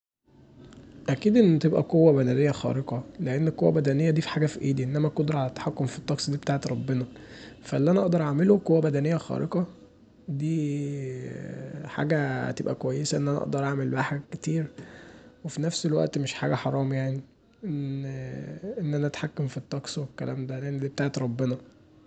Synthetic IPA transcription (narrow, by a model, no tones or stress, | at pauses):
ʔækiːd̪ʔenːt̪ebʔæ̰qowːæbænælejːæxæ̰ɾeqɑleʔenːekqowːæ̰bæd̪ænejːæd̪iːfi̥ħaːɡæfiʔiːd̪iʔenːæmækod̪ɾʕalæt̪ːḁħakːomfi̥t̪ˤːɑksˤd̪iːbet̪aːʕet̪ɾˤɑbːenɑ | fæʔelːiʔænæʔɑʔd̪ɑɾˤʔaʕmeloqowːæbæd̪ænejːæxɑ̰ːɾʔeqɑ | d̪iː | ħa̰ːɡæ̰t̪ebʔæ̰kowæjːesæʔenːʔænæʔɑ̰ʔd̪ɑɾˤʔaʕmelbaħket̪iːɾ | wefinæfselwæ̰ʔt̪meʃħa̰ːɡæħɑɾˤɑːmjaʕni | ʔen | ʔenːʔænæʔæt̪ħakːomfit̪ˤːɑksˤwekːælæ̰ːmd̪æænid̪iːbet̪aːʕet̪ɾˤɑbːenɑ